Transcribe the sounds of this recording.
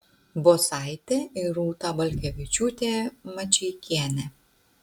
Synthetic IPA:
bosɑɪt̪ʲeɪɾuːt̪ɑbɐlʲkʲɛʋʲɪt͡ʃʲuːt̪ʲeːmɐt͡ʃʲɛɪkʲiɛnʲɛ

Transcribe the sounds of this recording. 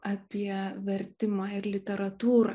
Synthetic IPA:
ɑːpʲiɛʋʲɛɾʲt̪ʲɪmɑːɪɾlʲɪt̪ʲɛɾɐt̪uːɾɑ̰ː

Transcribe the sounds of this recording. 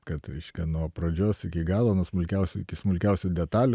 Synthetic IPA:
kɐt̪ɾʲɛɪʃʲkʲɛnuɔpɾoːd͡ʒʲoːsɪkʲɪɡɑːlˠoːnuɔsmʊlʲkʲɛʊsʲʊɪkʲɪsmʊlʲkʲɛʊsʲʊd̪ʲɛt̪ɑːlʲʊ

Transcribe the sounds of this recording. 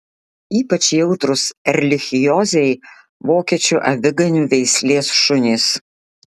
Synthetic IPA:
iːpɐt͡ʃjɛʊt̪ɾʊsɛɾʲlʲɪxʲɪjɔːzʲɛɪ | ʋoːkʲiɛt͡ʃʲuːʔɐ̰ʋʲɪɡɐnʲuːʋʲɛɪsʲlʲeːsʃʊnʲiːs

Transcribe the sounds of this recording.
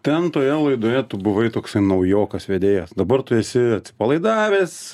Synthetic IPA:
t̪ʲɛnt̪oːjɛlˠɐɪd̪oːjɛt̪ʊbʊʋɐɪt̪oːksɐɪnɐʊjoːkɐsʋʲeːd̪ʲeːjɛsd̪ɐbɐrt̪ʊɛsʲɪɐt̪ʲsʲɪpɐlˠɐɪd̪ɑːʋʲeːs

